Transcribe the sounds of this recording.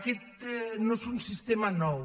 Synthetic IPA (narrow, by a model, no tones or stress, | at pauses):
kit̪nõsuŋsist̪emɐnɔw